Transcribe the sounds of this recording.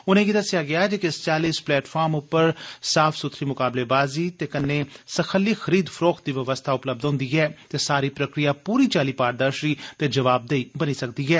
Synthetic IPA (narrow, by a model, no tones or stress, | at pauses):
ʊnẽːɡid̪əsɪjaːɡɪaːɛd͡ʒeːkɪst͡ʃaːliːsplɛːʈfʰaːɾmʊpːəɾsaːfʰsʊt̪ʰɾiːmʊkaːbleːbaːziːt̪eːkənːeːsəxʰəlːiːxʰəɾiːd̪pʰəɾoːkd̪iːʋəʋəst̪ʰaːʊpləb̚d̪ɦʊ̃ːnd̪iːɦɛːt̪eːsaːɾiːpɾəkɾijaːpuːɾiːt͡ʃaːliːpaːɾd̪əɾʃiːt̪eːd͡ʒəʋaːb̚d̪eiːbəniːsək̚d̪iːɦɛː